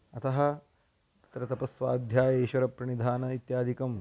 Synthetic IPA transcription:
ɐt̪ʰɐɦɐ̆ | t̪ɾɐt̪ɐpɐsʋaːd̪ʱjaːjɐeːʃʋɐɾɐpɾɐɳid̪ʱaːnɐit̪jaːd̪ʱikɐm

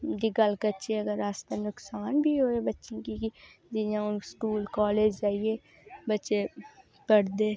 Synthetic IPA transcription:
d̪iɡəlkətːʃeəɡəɾaːst̪ənʊksaːnbʱiːɦoːebətːʃẽkiki | d͡ʒ̪ɪjãːskuːlkɔːleːd͡ʒzaːieː | bətːʃeː | pəɽd̪eː

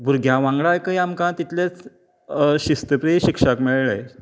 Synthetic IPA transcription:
buɾɡʱjãʋãŋɡɭajkajamkãt̪it̪let͡s | ɕist̪əpɾiɕikʂakmieɭɭəj

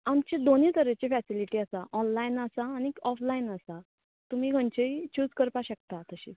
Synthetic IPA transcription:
amt͡ɕed̪onit̪əɾet͡ɕefæsiliʈiːasaʔɔnlainəsaːniɔflainəsa | t̪um̤iːɡʱəɳt͡ɕeit͡ɕuːd͡zkəɾpaɕək̚t̪at̪əɕi

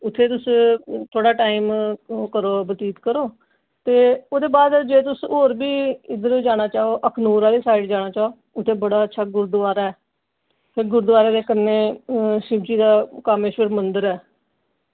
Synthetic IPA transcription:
ʊt̪ʰːeːt̪ʊst̪ʰoːɽaːʈaːimkəɾoːbət̪iːt̪kəɾoː | t̪eːoːd̪eːbaːd̪d͡ʒeːt̪ʊsoːɾbiːɪd̪əɾõːd͡ʒaːɽ̃aːt͡ʃaːoːʔəkʰnuːɾaːliːsaːiʈd͡ʒaːɽ̃aːt͡ʃaːoː | ʊt̪ʰːeːbəɽaːətːʃʰaːɡʊɾd̪ʊʋaːɾɛː | pʰɪɾɡʊɾd̪ʋaːɾeːd̪eːkənːeːʃɪbd͡ʒiːd̪aːkaːmeːʃəɾmənd̪əɾɛː

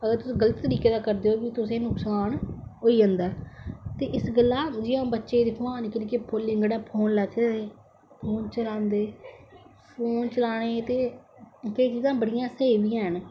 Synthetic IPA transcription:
əɡəɾt̪ʊsĩːɡələt̪ːəɾiːkeːd̪aːkəɾd̪eːoːbɪt̪ʊsẽːnʊksaːnɦoːiːd͡ʒə̃ːnd̪aːt̪eːʔɪsɡəlːaːd͡ʒɪãːbətːʃeːd̪ɪpʰoãːnɪkəniːkepoːlːɪ̃ŋɡɽɛ̃ːpʰoːnlɛːt̪ːeː | pʰoːnt͡ʃəlãːnd̪eː | pʰoːnt͡ʃəlaːɽ̃eːt̪eːkəiːt͡ʃiːzãːbəɽɪjãːseːbijãːɦən

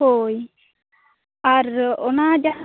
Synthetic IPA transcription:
oj | aɾɔnad͡ʒa

